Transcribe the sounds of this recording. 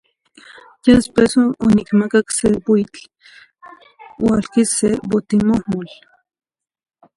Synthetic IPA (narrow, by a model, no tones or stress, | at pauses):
jad̪espesoonikmakaksepoit͡ɬ | walkisebot̪imohmol